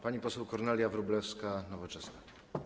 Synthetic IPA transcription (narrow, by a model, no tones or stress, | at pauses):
paɲipɔsɛwkɔɾnɛlʲjavɾublɛfskanɔvɔt͡ʂɛsna